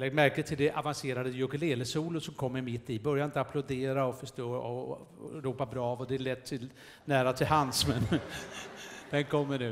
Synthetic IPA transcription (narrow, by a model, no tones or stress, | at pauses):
lɛɡd̪mæɾkət̪ʰɪld̪ɛʔavanseːɾad̪əjɵkɪleːləsuːləsɔmkʰɔmːəɾmɪt̪ːɪbœɾjanɪnt̪əapʰlʊd̪eːɾaɔfœʂtoːɔ̰ | ɾuːpabɾɑːvɔd̪ɛːɭɛt̪ʰːɪl | næːɾat̪ʰɪlhansmɛn | d̪ɛnkʰɔmːəɳʉ̟ː